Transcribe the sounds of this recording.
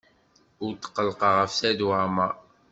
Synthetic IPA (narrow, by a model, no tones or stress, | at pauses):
ʊɾt̪ə̥qːəlqɑʁəfsæd̪wæma